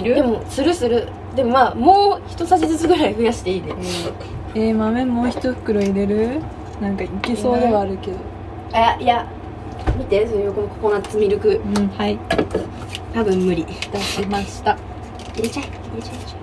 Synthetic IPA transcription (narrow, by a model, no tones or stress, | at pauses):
iɾɯd̪e̞mo̞sɨɾɯ̟sɨɾɯ̟ | d̪e̞mo̞maːmo̞ːçi̥t̪o̞saʑizɨt͡sɨɡ̪oɾaiɸɯ̟jaɕi̥t̪e̞iːd̪esne | emamẽ̞mːo̞ːçi̥t̪oɸɯ̟̥kːɯ̟ɾoiɾe̞ɾɯ̟ | nãŋkaikʲiso̞ːd̪e̞βaːɾɯ̟ke̞d̪o | aaija | mʲit̪e̞sojokonokoko̞nat͡sɨmʲiɾɯ̟kɯ̟ɯ̃ɴhai | t̪abɯ̟̃mːɯ̟ɾʲit̪aɕimaɕi̥t̪a | iɾet͡ɕa | iɾet͡ɕa